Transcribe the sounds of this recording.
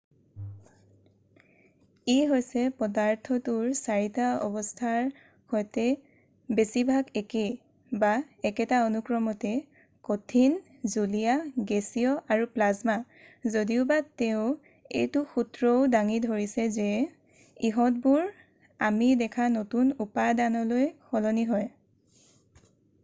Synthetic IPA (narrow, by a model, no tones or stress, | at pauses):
iɦojsɛpɔdaɹtʰɔtʊɹsaɹitaɔ̰bɔstʰaɹ | hojtɛ | besibʱaɡeke | ba | ɛkɛtaonukɹɔmɔtɛ | kotʰin | zulijaɡesiɔʔaɹuplazma | zodiʊbateʊ | ḛjtʊxutɹɔʊdaŋidʱoɹisɛzɛ | iɦɔt̚buɹ | a̰midɛkʰanotunupadanɔlojxɔlɔniɦɔj